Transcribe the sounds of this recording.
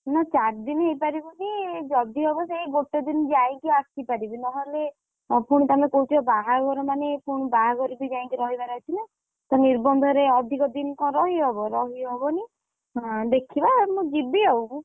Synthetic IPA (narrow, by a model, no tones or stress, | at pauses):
nat͡ʃaɾd̪inɦejpaɾibɔbid͡ʒɔd̪iɦɔbɔseiboʈːɔd̪ind͡ʒaj̃kiakipaɾibinɔɦɔle | puɽ̃ɔt̪amekouʈiɔbaɦaɡɔɾɔmanepuɽ̃ɔbaɦaɡɔɾibid͡ʒaĩŋkiɾɔɦibaɾɔt͡ʃʰina | t̪ɔniɾbɔnd̪ʱɔɾeɔd̪ʱikɔd̪inkɔ̃ɾɔɦiɦɔbɔɾɔɦiɦɔbɔni | ɦɔ̃d̪ekʰibamũd͡ʒibiɦɔwkũ